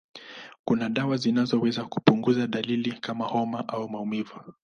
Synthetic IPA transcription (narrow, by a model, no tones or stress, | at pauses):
kunaɗawazinazɔwɛzaku̥puŋɡuzaɗalilikamahɔmaʔaumaumivu